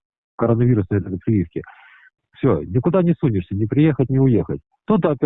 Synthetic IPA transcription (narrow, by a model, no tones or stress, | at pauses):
kəɾonːəvʲiɾʊsnəjt̪ək̪əpɾʲɪjʲifkʲɪ | fsʲonʲɪkʊd̪anʲɪsunʲɪʂsʲənʲɪpɾʲɪje̞xətʲnʲɪʊjexətʲ | t̪ut̪əɐpʲ